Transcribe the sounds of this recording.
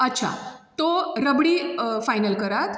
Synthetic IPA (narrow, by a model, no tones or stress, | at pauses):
ətːɕʰa̰t̪oɾəbɽiːfajnəlkəɾat̪